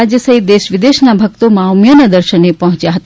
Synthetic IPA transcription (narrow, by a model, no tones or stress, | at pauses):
ad͡ʒjəsəɦit̪̚d̪eʃʋɪd̪eʃnabʱək̚t̪omawmjənad̪əɾʃənepəɦɔ̃t͡ʃjaɦət̪